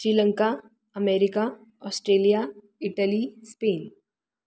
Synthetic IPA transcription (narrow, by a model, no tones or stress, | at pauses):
ɕɾiːləŋka | əmeɾika | ɔsʈɾeːlija | iʈəlispeːn